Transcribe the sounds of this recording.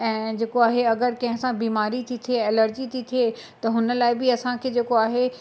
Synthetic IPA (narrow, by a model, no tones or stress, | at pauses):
ɛ̃ːd͡ʑeːkoaːɦeɐɡəɾkɐ̃ɦɪ̃sãbiːmaːɾit̪ʰit̪ʰieɛləɾd͡ʑit̪ʰit̪ʰieːt̪ɐɦʊnə̆laːɪbɪɐsãkʰeːd͡ʑeːkoaːɦe